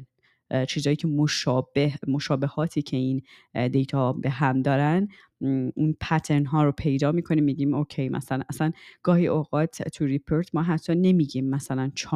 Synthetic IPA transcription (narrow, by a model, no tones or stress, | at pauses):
t͡ʃʰiːzɒːjiːcʰemoʃːbemo̞ʃɒːbehɒːt̪ʰiːcʰe̞ind̪e̞jt̪ʰɒbeɦæmd̪ɒːɾæn | inpʰæt̪ʰeɾnɦɒːɾopʰe̞jd̪ɒːmiːkʰo̞niːmːiːɟiːmocʰejmæ̰sænæsænɡ̥ɒːhiːʔoːɣɒːt̪ʰt̪ʰuɾipʰoɾt̪ʰmɒːɦæt̪ʰːɒːne̞miːɟiːmːæsælænt͡ʃʰː